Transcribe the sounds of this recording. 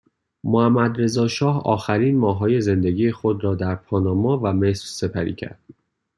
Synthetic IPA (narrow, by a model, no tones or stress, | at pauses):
mohæmːæd̪ɾe̞zɒːʃɒːhɒ̰ːxæɾiːnmɒːɦɒːje̞ze̞nd̪eɡiːjexod̪ɾɒːd̪æɾpʰɒːnɒːmɒːvæme̞sɾse̞pʰæɾḭːcʰæ̰ɾd̪̥